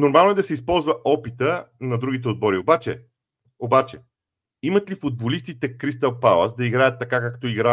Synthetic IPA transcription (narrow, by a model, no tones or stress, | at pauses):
noɾmalˠnoɛd̪ɐsɛispɔlˠzvɐʔɔpit̪ənɐd̪ɾuɡit̪̬ɛod̪̚bɔɾiobat͡ʃɛ̰ | obat͡ʃɛ | imət̪lifod̪̚bolist̪it̪ɛkɾist̪ɐfpawɐ̰sd̪ɐiɡɾajət̪ːɐkakakt̪ɔiɡɾa